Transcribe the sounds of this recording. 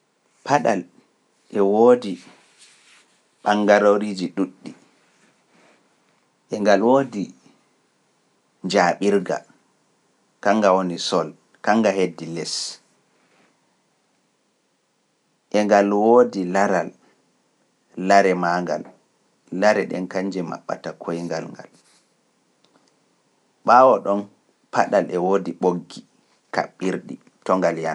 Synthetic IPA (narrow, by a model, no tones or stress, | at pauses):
pʰaɗal | ʔɛwoːdi | ɓaŋɡaɾoɾiːd͡ʒiɗuɗːi | ʔɛŋɡalwoːdi | ɲd͡ʒaːɓiɾɡa̰ | kaŋɡawonisɔl | kaŋɡahedːilɛs | ʔɛŋɡalwoːdilaɾal | aɾɛmaːŋɡa̰lː | aɾɛɗɛ̰nkaɲd͡ʒɛma̰ɓːa̰takʰojŋɡa̰lŋɡa̰l | ɓaːwɔɗɔn | paɗalɛwoːdiɓoɡːi | ka̰ɓːiɾɗi | tɔŋɡaljan